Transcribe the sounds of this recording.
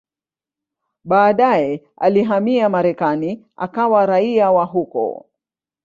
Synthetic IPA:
ɓaːɗajɛ | aliɦamiamaɾɛkani | a̰kawaɾaiawaɦukɔ̰

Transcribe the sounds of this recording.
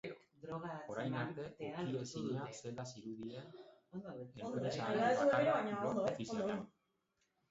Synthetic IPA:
eɾod̪ɾoɣaoɾajnaɾt̪e̞iesiɲaselasiɾuðie | eesaet̪uɾeβaɲaonoofisioan

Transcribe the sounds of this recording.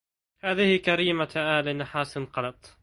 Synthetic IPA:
haːðɪhɪkaɾiːmaʔaːlɪnaħaːsɪnqɑlɑt̪ˤ

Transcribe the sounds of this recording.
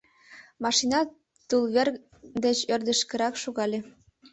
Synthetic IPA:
mɑʃinɑ | t̪ulβer | d̪et͡ɕørd̪ə̆ʃkə̆ɾɑkʃoɣɑlʲe

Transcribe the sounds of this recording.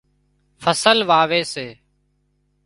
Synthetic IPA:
fʰəsəlʋaːʋeːseː

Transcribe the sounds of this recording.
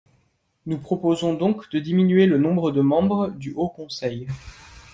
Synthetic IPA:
nupχɔpozɔ̃d̪ɔ̃kd̪əd̪iminɥelənɔ̃bʁəd̪əmɑ̃bʁəd̪yʔokɔ̃sɛj

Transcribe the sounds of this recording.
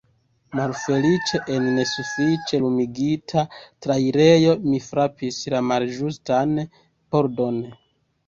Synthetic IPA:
malfe̞lit͡ʃe̞ʔenːe̞sufit͡ʃe̞lumiɡitʰatɾaiɾe̞jo̞mifɾapislamalʒustan | po̞ɾdo̞n

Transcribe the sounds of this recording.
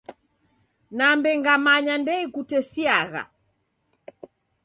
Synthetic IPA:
nambɛŋɡamaɲandɛikutɛsiaɣa̰

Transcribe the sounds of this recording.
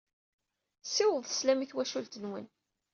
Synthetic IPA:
sɪwəðˤslæmiθwæʃult̪ənwə̰n

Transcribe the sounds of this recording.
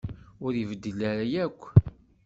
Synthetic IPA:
ʊɾjəvəd̪ːəlaɾajækʷː

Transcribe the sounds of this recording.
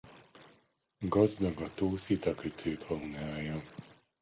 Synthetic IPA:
ɡɒzd̪ɒɡɒt̪oːsit̪ɒkøt̪ʰøːt̪hɒunaːjɒ

